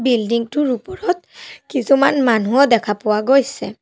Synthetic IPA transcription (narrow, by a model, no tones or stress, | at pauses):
bildiŋtʊɹupɔɹɔt̚kisumanmanuɔdɛkʰapʊwaɡojsɛ̰